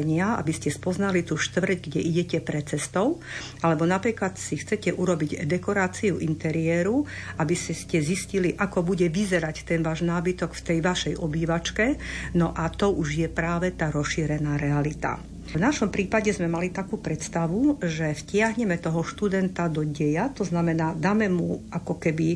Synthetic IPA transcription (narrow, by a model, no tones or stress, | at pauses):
ɲɪaa̰biscɛspɔznalit̪uʃt̪ʋr̩ɟɡɟɛʔiɟɛcɛpɾɛt͡sɛst̪ɔʊ | alɛbɔnapɾiːklat̪sixt͡sɛcɛʔuɾɔbiɟd̪ɛkɔɾaːt͡siuʔint̪ɛɾijɛːɾu | abisscɛzisciliʔakɔbuɟɛʋizɛɾact̪ɛnʋaːʒnaːbit̪ɔkft̪ɛjʋaʃɛjʔɔbiːʋat͡ʃkɛnɔʔat̪ɔʔuʒjɛpɾaːʋɛt̪aːɾɔsʃiːɾɛnaːɾɛalit̪a̰ | vnaʃɔmpɾiːpaɟɛzmɛmalit̪akuːpɾɛt̪st̪aʋuʒɛfcɪaɦɲɛmɛt̪ɔɦɔʃt̪ud̪ɛnt̪ad̪ɔɟɛjat̪ɔznamɛnaːd̪aːmɛmuʔakɔkɛbi